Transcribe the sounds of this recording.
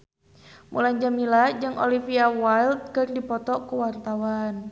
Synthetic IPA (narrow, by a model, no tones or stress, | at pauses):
mṵlaɲd͡ʒamilad͡ʒɨŋʔɔ̰lifiawajlt̪̚kɨrdipɔt̪ɔkuwart̪awan